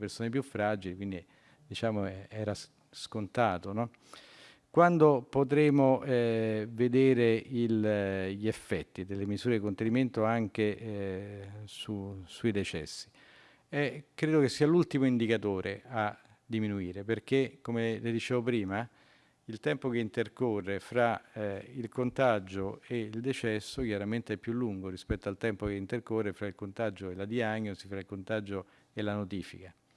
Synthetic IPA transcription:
persoːnep̬jufːɾad͡ʒilikwind̪i | d̪it͡ʃaːmoɛɛːɾa | skont̪aːt̪onɔ | kwand̪opot̪̬ɾeːmoɛved̪eːɾeilʎiefːɛt̪ːid̪elːemizuːɾed̪ikont̪eniment̪oaŋk̟e | susuid̪et͡ʃɛ̰sːi̥ | ɛkːɾeːd̪okesːiːalult̪imoind̪ikat̪oːɾʔea | d̪ːiminuiːɾeperk̟ekomeled̪it͡ʃeːvopɾiːma | ilt̪ɛmpokeint̪erkorːefɾailkont̪ad͡ʒoeild̪et͡ʃɛsːok̟jaɾament̪eɛpːjulːuŋɡoɾispɛt̪ːoalt̪ɛmpokeint̪erkorːefɾailkont̪ad͡ʒoelad̪iaɲːosifɾailkont̪ad͡ʒo | elanot̪iːfḭka

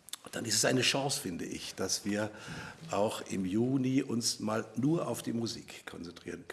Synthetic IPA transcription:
d̥anɪstɛsaɪnəʃɑ̃ːsfɪndəʔɪ̰çd̥asv̥iːɐʔaʊxʔɪ̰mjuːniʔʊnsmaːlnuːɐʔaʊfd̥iːmuzḭːkʰːɔnt͡sɛntʁ̥iːʁənkʰ

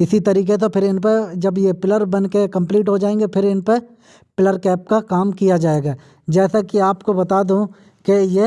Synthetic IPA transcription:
ɪsit̪ɐɾiːket̪̬opʰɪɾɪnped͡ʒɐbjepɪləɾbɐnkekɐ̃mpliːʈɦod͡ʒaːẽːŋɡepʰɪɾɪnpe | pɪləɾkɛːp̚kakaːmkijad͡ʒaːeːɡaː | d͡ʒɛːsakiaːpkobɐt̪aːd̪ũ | keje

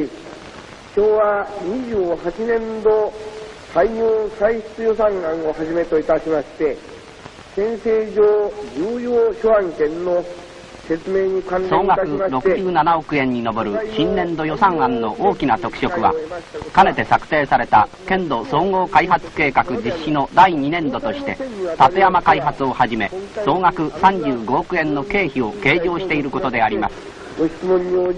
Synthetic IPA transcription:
ɕoːβaɲiʑɨːhat͡ɕinẽ̞nd̪o̞ | saiɲoːsaiɕi̥t͡sɨjo̞sãŋãŋo̞haʑime̞t̪o̞it̪aɕimaɕi̥t̪e̞ | sẽ̞ɰ̃seːʑoːd͡ʑɨːjoːɕoãŋkẽ̞nːo | se̞t͡sɨme̞ːɲ̟ikãnsoeːŋɡakɯ̟ɾo̞kɯ̟ʑɨːnanao̞kɯ̟ẽ̞ɲ̟ːino̞bo̞ɾɯ̟ɕĩnːẽ̞nd̪o̞jo̞sãɰ̃ãnːo̞ʔoːkʲinat̪o̞kɯ̟̥ɕo̞kɯ̟βa̰kane̞t̪e̞sakɯ̥t̪e̞ːsaɾe̞t̪a̰ | kẽ̞nd̪o̞so̞ːŋo̞ːkaiɦat͡sɨ̥ke̞ːkakɯ̟d͡ʑiɕːino̞d̪aiɲ̟inẽ̞nd̪o̞t̪o̞ɕi̥t̪e̞t̪at̪e̞jamakaiɦat͡sɨo̞haʑime̞so̞ːŋakɯ̟sãɲd͡ʑɨːɡo̞okɯ̟ẽ̞nːo̞ke̞ːçio̞ke̞ːʑo̞ːɕi̥t̪e̞iɾɯ̟ko̞t̪o̞d̪e̞aɾʲimasɨ̥ | ɡoçi̥t͡sɨmõɲːio

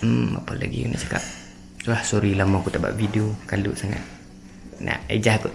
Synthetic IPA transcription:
m̩a̰pəlaɡikunaʔt͡ʃḁkap̚ | t̪uahsoɾilamakut̪aʔba̰ʔvideokalṵʔsaŋa̰t̪̚ | nʔa̰ʔed͡ʒahku

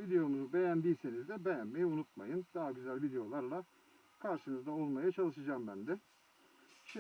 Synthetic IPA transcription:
vid̪e̞jo̞nuzube̞jænd̪ijse̞nizd̪ɛbejænme̞jiunut̪̚ma̰jɯnd̪̥aɦaɟyzælʲvid̪ejo̞lˠaɾlˠa | kʰaɾʃɯnɯzd̪ao̞lˠmajat͡ʃʰalˠɯʃɯd͡ʒaːmbænd̪ɛ | ʃi

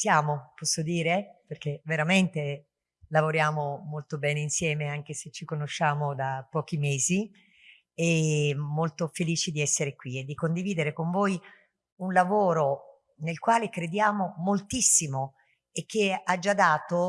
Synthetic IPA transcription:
sjaːmopɔsːod̪iːɾeperk̟eveɾament̪e | lavoɾjaːmomolt̪obɛːneinsjɛːmeaŋk̟eset͡ʃikonoʃːaːmod̪apːɔːk̟imeːzi | ɛmolt̪ofeliːt͡ʃid̪iɛsːeɾekwied̪ːikond̪iviːd̪eɾekoɱvoːj | unlavoːɾo | nelkwaːlekɾed̪jaːmomolt̪isːimo | ek̟ːead͡ʒːad̪ːaːt̪o

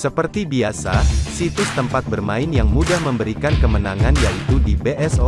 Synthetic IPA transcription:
səpərt̪ibiasasit̪ʊst̪əmpat̪̚bərmaɪnjaŋmudahməmbəɾikankəmənaŋanjait̪udibeʔɛso

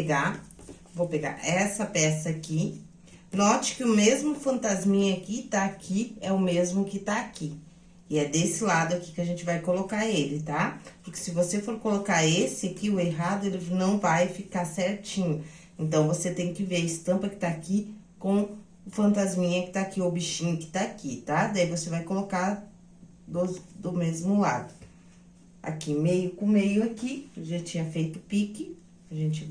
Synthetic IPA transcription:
ɡa | vowpeɡa̰ɛsɐpɛsɐaki | nɔt͡ʃɪ̥kɪʊmezmʊfɐ̃nt̪azmĩɲɐkɪt̪aːkʰiɛʊmezmʊkɪt̪aːki | ɪɛd̪esɪlad̪ʊaki̥kɪɐʒẽnt͡ʃɪvajkolokaɾelɪt̪apʊɾkɪ̥sɪvosefoɾkolokaɾesɪakiʊeɦad̪ʊelɪnɐ̃w̃vajfikaɾsɛɾt͡ʃĩɲʊ | ẽnt̪ɐ̃w̃voset̪ẽj̃kɪveɾɐɪst̪ɐ̃mpɐkɪ̥t̪aːki | kõ | ʊfɐ̃nt̪azmĩɲɐkɪ̥t̪aːkiʊbiʃĩɲʊkɪ̥t̪aːkit̪ad̪aivosevajkoloka | d̪od̪ʊmezmʊlad̪ʊ | a̰kimejʊkʊ̃mejʊakiʒãt͡ʃĩɲɐfejt̪ʊpikɪ | aʒẽnt͡ʃɪ

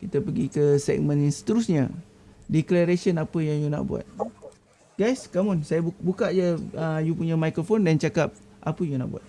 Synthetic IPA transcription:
kit̪əpəɡikəsɛ̰k̚mə̃nsə̥t̪əɾusɲə | dɛklaɾesənapəjaŋjuna̰ʔbṵa̰t̪̚ | ɡajskamɔnsajaubukaʔd͡ʒəəjupuɲamajkɾofondant͡ʃakap̚ʔa̰pəjuna̰ʔbua̰t̪̚

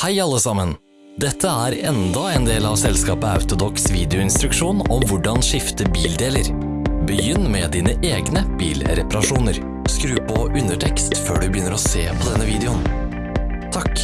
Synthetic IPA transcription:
hæɪɑlːəsɑmən | d̪ɛt̪ʰːəæːɾɛnd̪ɑeːnd̪eːlɑʋsɛlskɑːpəɑ̰ʉt̪ʊd̪ɔksʋiːd̪ɛʊɪnst̪ɾʉkʂuːnɔmʋʊɖɑnʂɪft̪əbiːld̪eːləɾ | bəjʏnːmɛd̪iːnəʔeːɡnəb̥ḭːlɾɛpɑɾɑʂuːnəɾ | skɾʉːpʰɔʔʉnəʈʰɛkst̪føːɖʉbəjʏnːəɾɔseːpʰɔd̪ɛnːəʋiːd̪ɛʊn | t̪ʰɑk

